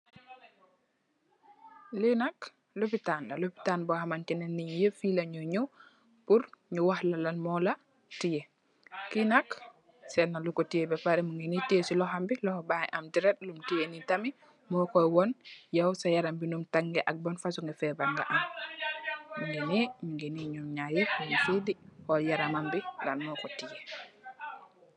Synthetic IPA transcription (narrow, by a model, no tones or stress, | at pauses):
linak | lupitanla̰lupi̥tanbɔhamankinɛnːiɲjəfilaɲɔɲu | puɾɲuwahlalanmɔla | tije | kinak | sɛnːalukɔtijebɛpaɾɛmuŋɡinitiesilɔɦambilɔhɔbajɛʔamdiɾɛt̚lumtijenitami | mɔkɔjwɔnjawsajaɾambinumtaŋːɡɛʔak̚bɔnfasuŋɡɛfɛbaŋɡa̰ʔam | muŋɡeniɲuŋɡeniɲumɲajikumufidihɔjaɾamambila̰nmɔkɔtije